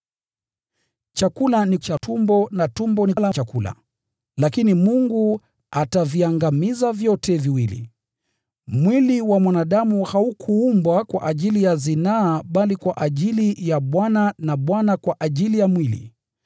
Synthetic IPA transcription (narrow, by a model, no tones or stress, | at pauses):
t͡ʃakulanit͡ʃatumbɔnatumbɔnilat͡ʃakula̰ | lakinimuŋɡu | ataviaŋɡamizavjɔtɛviwilḭ | mwiliwamwanaɗamuhaukʰuumbwakwa̰ʔaʄilijazinaːɓalikwaʔaʄilijaɓwananaɓwanakwaʔaʄilijamwilḭ